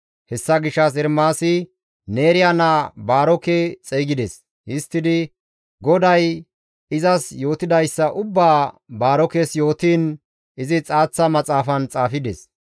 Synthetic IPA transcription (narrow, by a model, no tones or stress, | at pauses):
hɛsːɐɡɪʃːɐs̬ɛɾmaːsɪ | neːɾɪjɐnabaːɾɔkɛt͡sʼɛːɡɪd̪ɛs | hɪst̪ːɪd̪ɪ | ɡɔd̪ɐj | ɪzɐsjo̞ːt̪ɪd̪ɐjsːɐʔʊbːaː | baːɾɔkɛsjo̞ːt̪iːn | ɪzɪt͡sʼaːt͡sːɐmɐt͡sʼaːfɐnt͡sʼaːfɪd̪ɛs